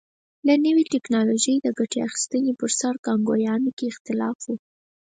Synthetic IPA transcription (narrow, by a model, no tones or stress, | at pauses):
lanəwiʈɛknɑloʒəjd̪əɡaʈeaxi̥st̪ənepəɾsaɾkɑŋɡojɑnokeɪxt̪ɪlɑ̰fwu